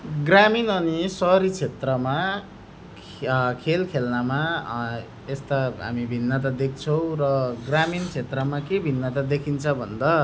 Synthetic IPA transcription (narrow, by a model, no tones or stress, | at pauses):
ɡraminʌnisʌɾit͡sʰet̪rʌma | kʰelkʰelnama | est̪aɦa̰mibʱinːʌt̪̬ad̪ek̚ʰt͡sʰʌw̃rʌɡramint͡sʰet̪rʌmakebʱinːat̪ad̪ekʰint͡sʰʌbʱʌnd̪ʌ